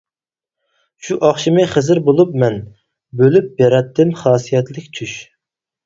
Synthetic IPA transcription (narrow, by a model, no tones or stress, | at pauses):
ʃuʔɑχʃimɨχəzɪɾbolˠup̚mɛn | bølyp̚beɾɛt̪ʰːɪmχɑːsijɛt̪lɪkʲt͡ʃʰyʃ